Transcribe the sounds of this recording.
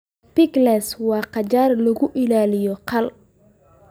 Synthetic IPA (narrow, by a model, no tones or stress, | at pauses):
pɪɡlɛswɑːqɑt͡ʃaːrlɐɣʊʔɪlaːlɪjɔqɑl